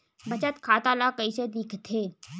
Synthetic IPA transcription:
bɐt͡ʃət̪kʰaːt̪alakəised̪iːkʰt̪ʰeː

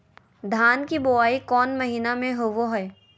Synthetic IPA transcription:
d̪ʱaːnkiboaːikɔːnmɐɦiːnamẽɦoʋoɦɛː

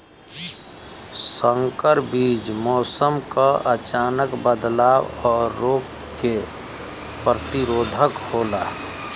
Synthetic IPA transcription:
sə̃ŋkəɾbiːd͡ʒmɔːsəmkaʔət͡ʃaːnəkbəd̪laːwɔːɾːoːkke | pɾət̪iɾoːd̪ʱəkhoːlaː

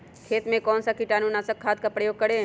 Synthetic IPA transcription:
kʰeːt̪mẽkɔːnsakiʈaːnunasəkʰːaːd̪̚kapɾəjoːɡ̚kəɽe

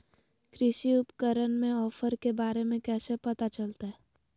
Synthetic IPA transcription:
kɾɪʃiʊpkəɾənmẽɔːfəɾkebaːɾemẽkɛːsepɐt̪at͡ʃɐlt̪aɦɛː

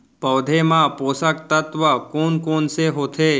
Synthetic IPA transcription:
pəʋd̪ʱemãpoːsək̚t̪ət̪ʋəkoːnkoːnseɦot̪ʰe

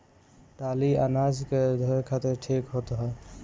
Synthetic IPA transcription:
t̪aːlia̰naːd͡ʒked̪ʱəɾkʰat̪eɾʈʰekɦot̪ɦɛ

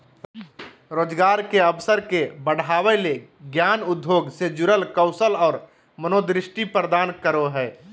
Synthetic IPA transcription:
ɾoːd͡ʒɡaːɾkeəʋsəɾkebəɽ̤aːweleɡjaːnʊd̪ʱjoːɡsed͡ʒʊɾəlkəʊsəlɔːɾ | mənoːd̪ɾɪʃʈipɾəd̪aːnkəɾoɦɛː

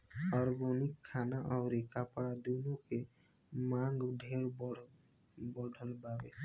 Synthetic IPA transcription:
ɔɾɡonikʰːaːnaʔɔʊɾekapɽad̪unoke | mãŋɡɖʱeɽ | bɔɖʱəlbabe

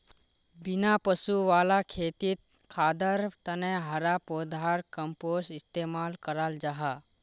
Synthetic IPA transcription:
bɪnapəsuʋaːlakʰeːt̪it̪̚ | kʰaːd̪əɾt̪ənẽɦəɾapod̪ʱaɾkəmpoːsɪst̪eːmaːlkəɾald͡ʒaɦa

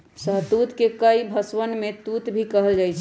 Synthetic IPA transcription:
səɦt̪ut̪kekəibʱəsʋənmet̪ut̪bʱikəɦəld͡ʒajt͡ʃʰ

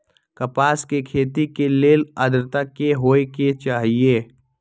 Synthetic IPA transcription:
kɐpaːskekʰeːt̪ikeleːləd̪ɾt̪akːeɦoːeket͡ʃaːɦieː

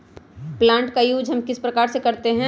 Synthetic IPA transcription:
plãːɳʈkajuːd͡ʒɦɐmkɪspɾɐkaːɾsekɐɾt̪eɦɛ̃

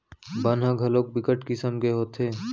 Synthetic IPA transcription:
bənɦə̃ɡʱɐloːk̚bɪkəʈkisəmɡeɦoːt̪ʰeː

